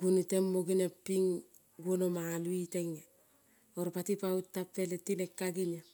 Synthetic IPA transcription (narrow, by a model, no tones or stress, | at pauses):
ɡ̥unutemːoɡinepːiŋ | ɡwonomaːluiteŋe | oɾpatipautːapːeletilekːaɡiɲa